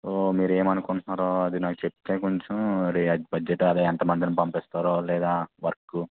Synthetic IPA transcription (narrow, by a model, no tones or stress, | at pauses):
soːmiːɾeːmɐnukunnaːɾoːɐd̪inaːkut͡ʃep̚t̪eːkoɲt͡ʃumɾibɐd͡ʒːeʈːɐd̪iɛnt̪ɐmɐnd̪inɐmpɐmpist̪aːɾoːlɛːd̪aːʋɐɾkːu